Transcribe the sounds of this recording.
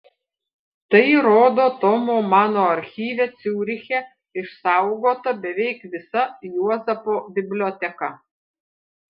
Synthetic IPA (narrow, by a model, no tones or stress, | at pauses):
t̪ɐɪɾoːd̪oːt̪ɔmoːmɑːnoːɐɾʲxʲiːʋʲɛt̪sʲuːɾʲɪxʲɛ | ɪʃsɑˑʊɡoːt̪ɐbʲɛʋʲɛɪkʋʲɪsɐjuɔzʲɐpoːbʲɪbʲlʲoːt̪ʲɛkɐ